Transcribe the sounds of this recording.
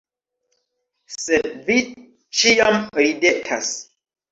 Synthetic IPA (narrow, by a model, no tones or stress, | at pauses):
sedvi | t͡ʃijamɾide̞kʰa̰s